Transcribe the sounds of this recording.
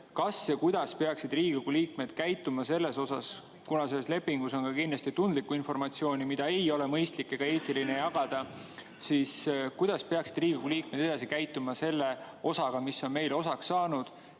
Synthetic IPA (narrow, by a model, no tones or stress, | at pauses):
kɑsjɑkujd̪̥ɑspe̞ɑksid̪riːɡ̥iɡuliːk̚me̞d̪̥kæjt̪ːˑumɑse̞lːe̞so̞sɑs | kunɑse̞lːsle̞pːiŋɡ̥uso̞nkɑkinlɑst̪it̪und̪̥likːuinfo̞rmɑt̪sio̞ːnʲimid̪̥ɑejo̞le̞mɤjst̪likːˑeɡ̥ɑe̞ːt̪ːˑiline̞jɑɡ̥ɑd̪̥ɑ | siːskujd̪̥ɑspe̞ɑksid̪riːɡiɡuliːk̚me̞d̪̥e̞d̪̥ɑsikæjt̪ːˑumɑse̞lːe̞ | o̞sɑɡ̥ɑmiso̞nme̞jlo̞sɑksːɑːnud̪̥